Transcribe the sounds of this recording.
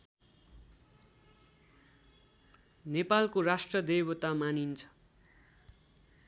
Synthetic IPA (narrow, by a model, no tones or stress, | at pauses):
nepalkoɾasʈrʌd̪ejbʌt̪amanint͡sʰʌ̥